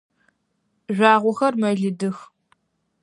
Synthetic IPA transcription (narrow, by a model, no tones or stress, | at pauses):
ʒʷaːʁʷʊxɐrmɐɮɨdɨx